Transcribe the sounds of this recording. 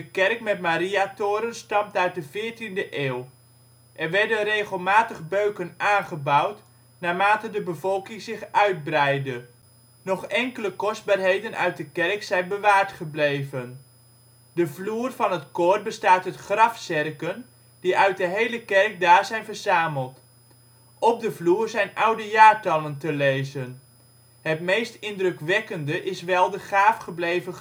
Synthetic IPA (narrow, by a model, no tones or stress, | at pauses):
dəkɛrk̚mɛtmaːɾiatoːɾənstɑmtœɥt̚dəvɪːɹtindəʔeːw | ʔɛrʋɛɹdənrejχəlˠmaːtəχbøɥkənaːnχəbʌwt | naːmaːtədəbəvɔlˠkɪŋzɪχʔœɥd̚brɛjdə | nɔχɛŋkələkɔzd̚baːrɦejdənʔœ̰ɥt̚dəkɛrksɛjnbəʋaːɹtχəblejvən | dəvluːrvɑnɦətkʊːr̚bəstaːtɦətχrɑfsɪrkən | d̥iʔœɥt̚dəɦejləkɛrk̚daːɹzɛjnvəɹzaːməlˠt | ɔp̚dəvluːrzɛjnʔʌwdəjaːɹtɑləntəlejzən | ɦətmejstɪndrɵkʋɛkəndəʔɪsʋɛlˠdəχaːfχəblejvə